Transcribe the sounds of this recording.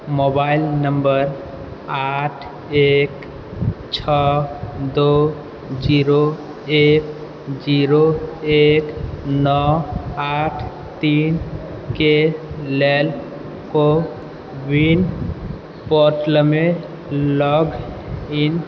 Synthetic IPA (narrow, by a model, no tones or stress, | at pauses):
mobailnəmbəɾ | aʈʰ | ek | t͡ʃʰɔd̪o | d͡ʒiɾo | ek | d͡ʒiɾoeknɔaʈʰ | t̪in | kelel | ko | bin | pɔɾʈləme | lɔɡin